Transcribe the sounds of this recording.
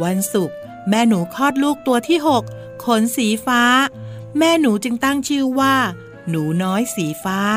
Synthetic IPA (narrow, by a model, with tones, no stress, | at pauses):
wa˧nsu˨˩k̚ | mɛː˥˩nuː˩˦kʰɔː˥˩t̪̚luː˥˩k̚t̪u˧ɐt̪ʰiː˥˩ɦo˨˩k̚ʰː | o˨˦nsiː˩˦faː˦˥mɛː˥˩nuː˩˦t͡ɕɯ˧ŋt̪a˥˩ŋt͡ɕʰɯː˥˩waː˥˩ | nuː˩˦nɔː˦˥jsiː˩˦faː˦˥